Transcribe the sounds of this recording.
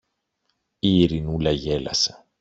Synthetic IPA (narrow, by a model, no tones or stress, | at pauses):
iɾinulɐʝelɐ̰sɐ̥